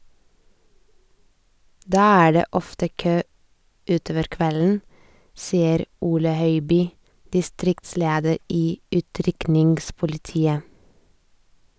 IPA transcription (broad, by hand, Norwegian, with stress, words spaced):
ˈdɑː ˈæː ˈɖeː ˈɔftə ˈkøː ˈʉːˌtoːʋəɾ ˈkʋɛln̩ ˈsiːəɾ ˈuːlə ˈhœʏbyː dɪˈstɾɪktˌsleːdəɾ ˈiː ˈʉːtɾʏknɪŋɡspʊlɪˌtiːə